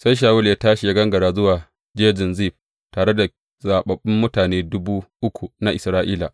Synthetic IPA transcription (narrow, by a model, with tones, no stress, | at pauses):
sa˦jʃ̬aː˨wʊ˦ljaː˦taː˦ʃi˨ja˦ɡɐ˦ŋɡɐ˨ɾaː˦zʊ˦waː˨ | d͡ʒeː˦d͡ʒɪ˨nziː˦˨ɸ̚ | taː˨ɽe˦da˨ | zaː˨ɓɐ˨ɓɪ˦mːʊ˦taː˨neː˦dʊ˦buː˦ʔʊ˦kʷu˨na˦ʔɪ˨sɾaː˦ʔiː˦la˨ʔ